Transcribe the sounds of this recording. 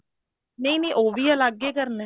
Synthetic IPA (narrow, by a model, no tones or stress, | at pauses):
neĩnẽːʔoːʋiːəlaɡeːkəɾnɛ̃